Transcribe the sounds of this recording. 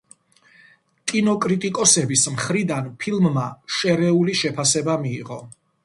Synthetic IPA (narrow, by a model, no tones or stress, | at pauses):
kʼinɔkʼɾit̪ʼikʼɔsɛbismχɾid̪anpʰilˠmːaʃɛɾɛuliʃɛpʰasɛbamiːʁɔ